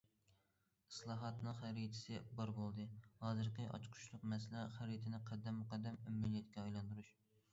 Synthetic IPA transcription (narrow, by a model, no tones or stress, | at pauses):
ɨ̥slˠɑːɦɑt̪nɨχæɾit̪ʰɪ̥sɪbɑɾbolˠd̪ɨhɑːzɨɾqʰɨʔɑ̰t͡ʃqʰʊ̥ʃlˠʊq̚mɛslæχæɾit̪ʰɪnɪqʰɛd̪ːɛmːuqɛd̪ːɛmymːynijɛt̪kʲɛɑjlˠɑnd̪uɾuʃ